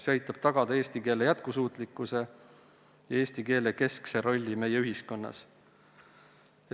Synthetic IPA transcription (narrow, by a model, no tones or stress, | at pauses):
seɑjt̪ˑːɑb̥̚t̪ɑɡ̥ɑd̪̥ɑeːsʲt̪ike̞ːlejæt̪̚kusuːt̪ˑlikːˑuse̞ | jɑeːsʲt̪ike̞ːleke̞skseɾo̞lʲːime̞jeyɦisko̞nːɑ̰s